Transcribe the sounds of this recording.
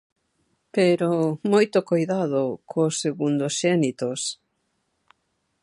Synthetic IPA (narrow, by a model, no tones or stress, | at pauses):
peɾomojt̪okojðað̞ʊkʰoseɣund̪osʃɛnit̪os